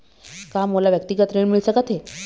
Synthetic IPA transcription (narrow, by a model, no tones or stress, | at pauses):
kamːolaʋjək̚t̪iɡət̪ɾeɽmiɭsəkət̪e